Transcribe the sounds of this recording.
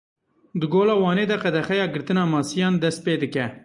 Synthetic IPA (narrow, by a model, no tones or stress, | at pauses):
d̪ɨɡoːlɑːwɑːneːd̪ɛqɛd̪ɛxɛjɑːɡɨɾt̪ɨnɑːmɑːsijɑːnd̪ɛst̪̚peːd̪ɨkɛ